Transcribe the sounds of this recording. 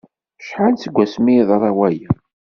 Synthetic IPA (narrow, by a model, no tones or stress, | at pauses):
ʃħant͡səɡʷːæsmiðˤɑɾˤɑwæjæ